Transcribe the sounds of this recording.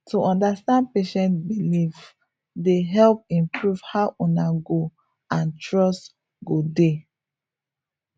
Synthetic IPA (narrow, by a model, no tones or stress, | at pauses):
tʰuɔ̃ndastãnd̚peʃɛ̃ntbilif | deɦɛlp̚ĩmpɹuv̥haʊʔũnaɡo | ãntʰɹɔst | ɡode